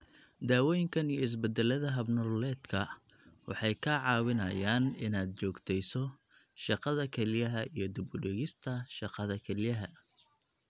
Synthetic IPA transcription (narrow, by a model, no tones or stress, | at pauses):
d̪aːwɔːjɪŋkʰɐnijɔɪs̬bɛd̪ɛlɐðɐɦɐbnɔlɛːd̪kʰɐ | wɑ̰ħɑjkʰɐʕɑːwɪnɐjaːnɪnaːd̪̚t͡ʃɔːɡt̪ʰɛjsɔ | ʃɑqɑðɐkʰɛlɪjɐɦɐijɞd̪ɪbʊɖɛɣɪst̪ʰɐʃɑqɑðɐkʰɛlɪjɐɦɐ